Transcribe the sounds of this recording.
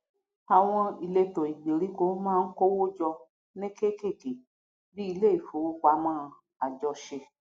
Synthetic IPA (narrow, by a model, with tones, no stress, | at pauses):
a˨w̃ɔ̃˧i˨le˧to˨i˨ɡ͡be˨ɾi˨˦ko˦mãː˦˧n̩˦ko˦wo˦d͡ʒɔ˧ | nẽ˦ke˦ke˦˨ke˨ | bi˦i˧le˦˨i˨fo˨wo˦k͡pa˧˦mãː˦˧ | a˨d͡ʒɔ˧ʃe˧